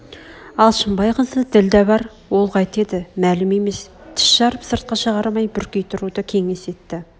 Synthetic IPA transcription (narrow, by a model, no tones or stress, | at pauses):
ɑlˠʃəmbɑjqʰənsəd̪ɪld̪æbɑɾ | wo̞lˠqʰɑjt̪e̞d̪ɪmælɪme̞me̞st̪ʰɪ̥ʃʃɑɾəpsəɾt̪̚qɑʃəʁɑɾmɑjbʏɾkʲe̞jt̪ʰʊɾud̪əkʲʰe̞ŋe̞se̞t̪ːɪ